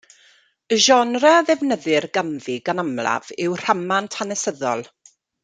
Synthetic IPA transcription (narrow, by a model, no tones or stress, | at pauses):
əʒɔnraðɛvnəðɪrɡəmðiɡanəmlˠa̰vɪwr̥amantʰanɛsəðɔlˠ